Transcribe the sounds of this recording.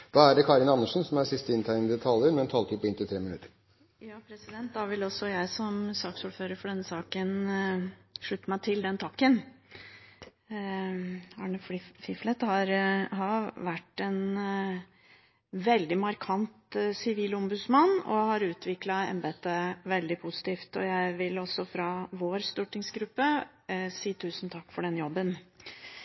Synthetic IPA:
d̪̥ɑːæɖɛkʰɑːɾɪnɑnːəʂn̩sɔmæsɪst̪əɪnt̪ʰæɪəd̪ət̪ʰɑləɾmɛɛnt̪ʰɑlt̪ʰypːɪnt̪ɪlt̪ʰɾeːmɪnʉ̰t̪əɾ | jɑːpʰɾɛsɪd̪ɛnt̪̚d̪ɑʋɪlɔsɔjæɪsɔmsɑːksuːɾføːɾəɾfɔɖɛnːəsɑːkən | ʂɭʉt̪ːəmæɪt̪ʰɪld̪ɛnt̪ʰɑkːən | ɑːɳəffɪflɛt̪hɑɾɦɑʋæʈːɛn | ʋɛld̪ɪmɑɾkʰɑnt̪sɪʋiːlɔmbʉd̪smɑnːɔ̰hɑɾʉːt̪ʰʋɪklɑɛ̰mbɛɛt̪ːəʋɛld̪ɪpʰʊsɪ̥t̪ʰiːft̪ɔjæɪʋɪlɔsːɔfɾɑʋoːɾst̪uːʈɪŋsɡɾʉpːə | siːt̪ʰʉːsn̩t̪ʰɑkːfɔɖɛnjɔbːən

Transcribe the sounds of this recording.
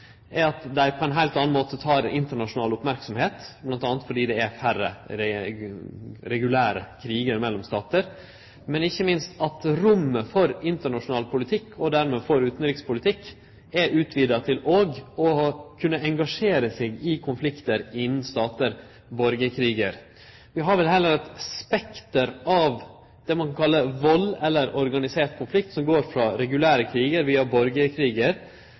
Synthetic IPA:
ɛɾɑt̪d̪æɪpʰɔɛnɦæɪlt̪ɑːnnmoːt̪ət̪ʰɑːɾɪ̰nt̪əɳɑʂʊnɑːlʊpmæɾksɔmheːt̪blɑnt̪ɑːnət̪fɔɖiːd̪ɛæfæɾə̰ɾɛ | ɾɛɡʉlæːɾəkʰɾiːɡəɾmɛlːɔmst̪ɑːt̪əɾ | mɛnɪçːəmɪnst̪ɑt̪ɾʊmːəfɔɾɪnt̪əɳɑʂʊnɑːlpʰʊlɪt̪ʰɪkʰːɔd̪æɾmeːfɔɾʉːt̪nɾɪkspʰʊlɪt̪ʰɪkː | ɛʔʉːt̪ʰʋiːd̪ɑt̪ʰɪloːɡɔkʰʉnːəɛŋɡɑʂeːɾəsɪːɡɪkʰʊnflɪkt̪əɾɪnːn̩st̪ɑːt̪əɾ | bɔɾɡəkʰɾiːɡə̰ɾ | ʋɪɦɑɾʋɛlɦɛlːəɾɛt̪spɛkt̪əɾɑʋ | d̪̥ɛmɑŋkɑnkʰɑlːəʋɔlɛlːəɾɔɾɡɑnɪseːʈkʰʊnflɪk̚t̪sɔmɡoːɾfɾɑːɾɛɡʉlæːɾəkʰɾiːɡəɾʋiːɑbɔɾɡəkʰɾiːɡəɾ

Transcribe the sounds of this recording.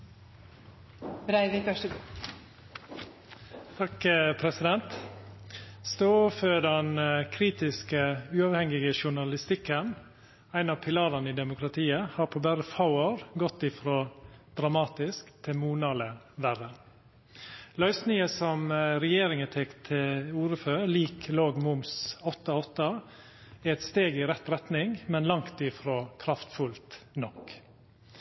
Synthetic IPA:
bɾæɪʋiɡ | t̪ʰɑkpʰɾɛsɪd̪ɛnt̪ | st̪oːføːɖɛnkʰɾiːt̪ɪskəʉːɑːʋhɛŋɪɡəʃʊɳɑlɪst̪ɪkːən | æɪnɑːpʰɪlɑːɾənəiːd̪ɛmʊkʰɾɑt̪ʰiːəhɑːɾpʰoːbæɾəfɑʊəɾɡɔt̪ːɪfɾoːd̪̥ɾɑmɑːt̪ɪskt̪ʰɪmuːnɑːlə | ʋæɾə | lœʏsniːəsɔmɾɛjeːɾɪŋət̪ʰɛkt̪ʰɪuːɾəføːliːkʰloːɡmʊmsɔt̪ːəɔt̪ːə | ɛɛt̪st̪eːɡɪɾɛt̪ɾɛt̪nɪŋmɛnlɑŋt̪ɪfɾoːkʰɾɑft̪fʉlt̪nɔk

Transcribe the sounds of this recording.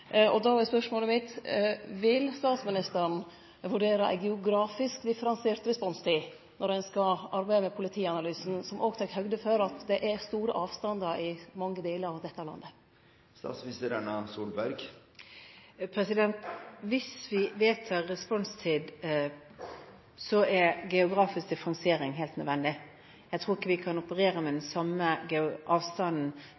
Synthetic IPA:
ʔɔd̪ɑɑɾæspœʂmoːləmɪt̪ʋɪlst̪ɑːt̪smɪnɪst̪əɾn̩ | ʋʉɖeːɾəʔæ̰ɡɛʊɡɾɑːfɪskd̪ɪfəɾɑnseːɾt̪ɾɛspɔnst̪ʰiː | nʔɔɖ̪ɛnskɑʔɑɾbæɪəmɛpʰʊlɪt̪ʰiːɑnɑlyːsn̩sɔmʔoːɡt̪ʰɑkhœɡd̪əfœɾɑt̪d̪ɛʔæɾst̪uːɾə̰ʔɑːʋst̪ɑnd̪əɾɪmɑŋːəd̪eːləɾɑʋd̪ɛt̪ːɑlɑ̰nd̪ə | st̪ɑ̰ːt̪smɪst̪əɾɛnɑsuːlbæɾɡ | pʰɾɛsɪd̪ɛnt̪ʋɪsʋɪʋeːt̪ʰːɑɾːɛspɔnst̪ʰiːd̪ | sɔɛɾɡɛʊɡɾɑːfɪskt̪ʰɪfɾɑŋseːɾɪŋɦæːlt̪nœd̪ʋɛnd̪ɪ | jæt̪ʰɾuːɾɪkːəʋɪkʰɑnʊpəɾeːɾəmɛd̪ɛnsɑmːəɡɛʊʔɑːʋst̪ɑnn̩

